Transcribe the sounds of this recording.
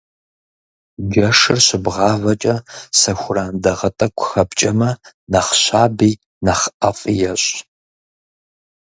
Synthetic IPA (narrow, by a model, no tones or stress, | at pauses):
d͡ʒɐʂɨrɕɪbʁɑːvɐt͡ʃʼɐsɐxʷʊraːndɐʁɐtʼɐkʷʰʊxɐpt͡ʃʼɐmɐ | nɐχɕaːbiː | nɐχʔɐfʼijɛɕʼ